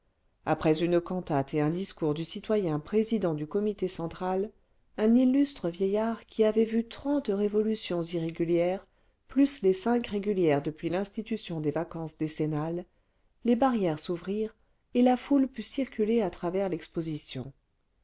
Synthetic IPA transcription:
apχɛzynəkɑ̃t̪at̪eɛ̃d̪iskuʁd̪ysit̪wajɛ̃pχezid̪ɑ̃d̪ykɔmit̪esɑ̃t̪χal | ɛ̃nilːyst̪χəvjɛjaʁkʲʰiavɛvyt̪χɑ̃t̪ʁevɔlysjɔ̃ziʁeɡʲyljɛʁ | plyslesɛ̃kʁeɡʲyljɛʁd̪əpɥilɛ̃st̪it̪ysjɔ̃d̪evakɑ̃sd̪esenalː | ebaʁjɛʁsuvʁiʁ | elafulpysiʁkʲyleat̪χavɛʁlɛkspozisjɔ̰̃

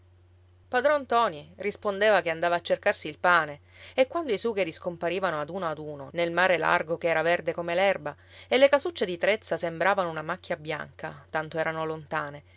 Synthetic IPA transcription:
pad̪ɾɔnt̪ɔːnirispond̪eːvakeand̪aːvaːt͡ʃːerkarsiːlpaːneekːwand̪oisuːɡiɾiskompaɾiːvanoad̪uːnoad̪uːnonelmaːɾela̰rɡokeɛːɾaverd̪ekomelɛrba | elːekasut͡ʃːed̪it̪ɾet̪sːasembɾaːvanounamakːjabja̰ŋka̰t̪ant̪oɛːɾanolont̪aːne

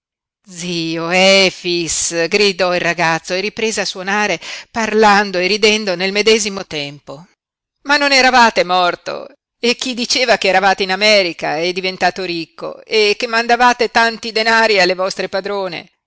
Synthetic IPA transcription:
d̪ziːoɛfisɡɾid̪ɔilraɡat̪sːoerːipɾeːzeaswonaːɾeparland̪oerid̪ɛnd̪onelmed̪ɛːzimot̪ɛmpo | manːonɛɾavaːt̪emɔrt̪o̰ | ek̟ːid̪it͡ʃeːvak̟eːɾavaːt̪einamɛːɾikaɛd̪ːivent̪aːt̪oɾikːo̰ekːemːand̪avaːt̪et̪ant̪id̪enaːɾialːevɔst̪ɾepad̪ɾoːnḛ

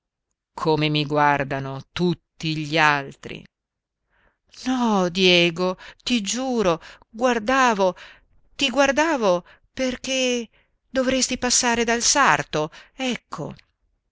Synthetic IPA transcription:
kʰomemiɡward̪anot̪ut̪ːiʎalt̪ɾḭ | nɔd̪jɛːɡot̪id͡ʒuːɾo | ɡward̪aːvo | t̪iɡward̪aːvo | perk̟e | d̪ovɾest̪ipasːaːɾed̪alsart̪oɛkʰːo̰

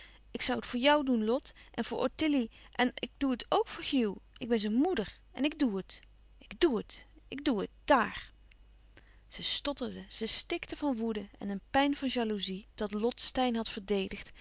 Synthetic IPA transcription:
ɪksʌwətfʊːɹjʌwdunlɔtʔɛ̰nvʊːɹʔɔ̰tɪliʔɛnɪɡ̚d̥uətʰowkfʊːɹχiwʔɪɡ̚bɛnzənmudəɹ | ɛ̰nɪɡ̚duət | ʔɪɡduətʔɪɡ̚duət̚d̥aːr | z̥əstɔtəldəz̥əstɪktəvɑnʋudəɛ̰nənpɛjnvɑnʒaluzid̥ɑtlɔtstɛjnɦɑtfəɹdejdəχt

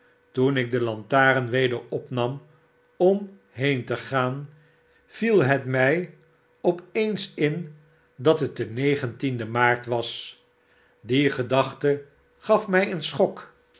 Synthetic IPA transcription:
tunɪk̚dəlɑntaːɾənʋejdəɹɔpnɑm | ɔm | ɦejntəχaːn | v̥ilˠɦətmɛj | ɔpejnsɪn | dɑtət̚dənejχəntindəmaːɹtʋɑs | diχədɑχtə | χɑfmɛjənsχɔk

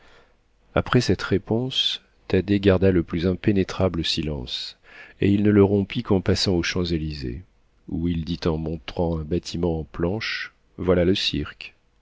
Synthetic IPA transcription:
a̰pχɛsɛt̪ʁepɔ̃s | t̪ad̪eɡaʁd̪aləplyzɛ̃penet̪χabləsilɑ̰̃s | ḛilnələʁɔ̃pikɑ̃pasɑ̃oʃɑ̃zelizḛ | uild̪it̪ɑ̃mɔ̃t̪χɑ̃ɛ̃bat̪ʰimɑ̃ɑ̃plɑ̃ʃ | vwalaləsiʁk

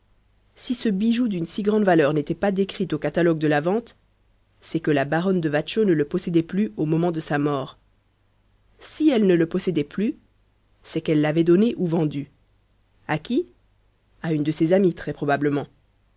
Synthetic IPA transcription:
sisəbiʒud̪ynsiɡʁɑ̃d̪valœʁnet̪ɛpad̪ekχit̪okat̪alɔɡ̚d̪əlavɑ̃t̪ | sɛkəlabaʁɔnd̪əvaʃonələpɔsɛd̪ɛplyomɔmɑ̃d̪əsamɔːʁ | siɛlnələpɔsɛd̪ɛply | sɛkɛlːavɛd̪ɔneʔuvɑ̃d̪y | akʲi | aynd̪əsezamit̪χɛpχɔbabləmɑ̃

